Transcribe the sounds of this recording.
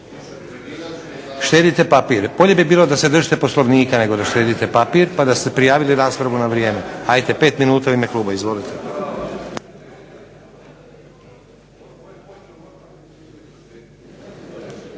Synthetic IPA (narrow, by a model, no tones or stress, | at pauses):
ʃt̪e̞ːd̪it̪e̞papiːɾb̥o̞ʎe̞bibiːlo̞d̪ase̞d̪r̩ʒit̪e̞po̞sloʋniːkane̞ɡo̞d̪aʃt̪e̞ːd̪it̪epapiːɾpad̪ast̪epɾijaːʋiliɾaːspɾaʋunaʋɾije̞ːme̞ajt̪e̞pe̞ːt̪minuːt̪auime̞klˠuːbaizʋo̞lit̪e